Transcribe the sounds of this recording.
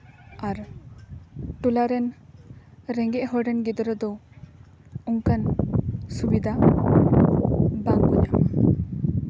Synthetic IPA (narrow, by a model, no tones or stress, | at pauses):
aɾ | ʈulaɾɛn | ɾɛŋɡɛʔɦɔɖɛnɡid̪ɾəd̪ɔ | uŋkansubid̪ʱa | baŋɔ̰ɲa̰m